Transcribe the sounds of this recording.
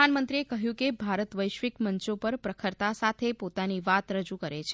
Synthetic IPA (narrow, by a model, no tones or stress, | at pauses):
anmənt̪ɾiekəɦjũkebʱaɾət̪ʋəjʃʋɪkməɲt͡ʃopəɾpɾəkʰəɾt̪asat̪ʰepot̪aniʋat̪ɾəd͡ʒukəɾet͡ʃʰ